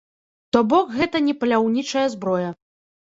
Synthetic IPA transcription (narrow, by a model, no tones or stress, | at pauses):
t̪ɔbɔkɣɛt̪ɐnʲɛpɐlʲawnʲit͡ʂɐjɐzbɾɔjɐ